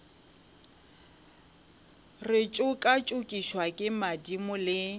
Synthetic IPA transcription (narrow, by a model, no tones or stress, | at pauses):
rɪt͡ʃʼʊkʼat͡ʃʼʊkʼiʃwakʼɪmadimʊlɪ